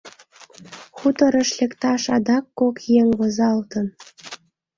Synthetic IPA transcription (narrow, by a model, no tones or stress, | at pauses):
xut̪ə̆ɾə̆ʃlʲekt̪ɑʃɑd̪ɑkːokjeŋβozɑlt̪ən